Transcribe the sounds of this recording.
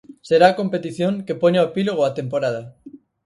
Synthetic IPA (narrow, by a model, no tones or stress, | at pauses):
seɾaːko̞mpet̪iθjoŋkepoɲaowepiloɣ̞oat̪empoɾað̞a